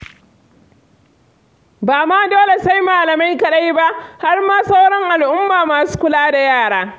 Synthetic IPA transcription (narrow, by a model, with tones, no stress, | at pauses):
baː˨maː˦doː˦le˨sa˦jmaː˨lɐ˨ma˦jkɐ˨ɗa˦jba˦ʔha˦rmaː˦sa˦wɽɔ˦ŋʔa˨lʔʊ˦mːaː˨maː˨su̥ː˦kʷʊ˦laː˦da˨jaː˦˨ɽaː˦